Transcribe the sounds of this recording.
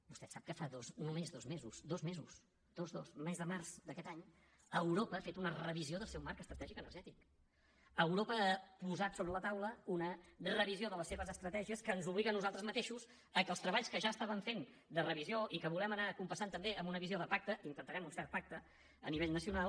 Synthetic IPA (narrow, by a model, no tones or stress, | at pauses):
bust̪ɛsap̚kəfaðoznumezðozmezusd̪ozmezṵs | d̪̥ozðosmɛzðəmarzd̪əkɛt̪aɲ | əwɾopəːfet̪unərəβizioðəlˠsɛwmaɾkəst̪ɾət̪ɛʒikənəɾʒɛt̪ik | əwɾopəəpuzat̪soβɾələt̪awləunərəβizioðələsːeβəzəst̪ɾət̪ɛʒiəskəːnzuβliɣənːuzalˠt̪ɾəzmət̪eʃuz | əkəlˠst̪ɾəβaʎskəʒaəst̪aβəɱfen | d̪ərəβizioʔikəβulɛmənakumpəsant̪əmbeəmbunəβizioðəpak̚t̪əint̪ənt̪əɾɛmunsɛɾt̪̚pak̚t̪ə | əniβeʎnəsiunalˠ